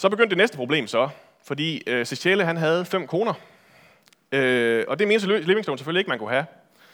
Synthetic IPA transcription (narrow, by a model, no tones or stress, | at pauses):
sɒ̽b̥e̝ɡ̥øn̰d̥ːenesd̥əpʰʁo̝ble̝̰ːmsɒ̽ | fɒ̽d̥ḭːøseɕʰeləɦænɦæð̞̩ˠfem̰kʰʁo̝ːnɐ | øɒ̽d̥e̝me̝ːnəsløːʋe̝ŋslo̰ʊn̩sefølie̝ɡ̥əmænkʰuɦæ